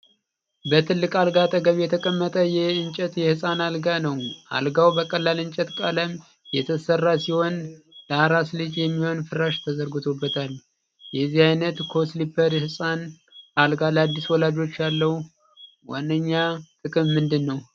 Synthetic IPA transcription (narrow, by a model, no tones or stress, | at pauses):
bət̪ʰɨlːɨkʼalɡat̪ʼəɡəβjɛt̪ʰəkʼəmːət̪ʼəjɛɨnt͡ʃʼɛt̪jɛhɨsʼanalɡanəwʔa̰lɡawbəkʼəlːalɨnt͡ʃʼɛt̪kʼaləm | jɛt̪ʰəsərːasiho̞n | d̪̥ahɾaslɨd͡ʒjɛmːiho̞nfɨraʃt̪ʰəzəɾɡɨt̪ʰo̞bːət̪ʰal | jɛzːihajnət̪kʰo̞slipʰəɾhɨsʼan | alɡaləad̪ːiswɔlad͡ʒo̞t͡ʃːjalːəhu | wa̰ndəɲːat̪ʼɨkʼɨmːɨnd̪ɨnːəw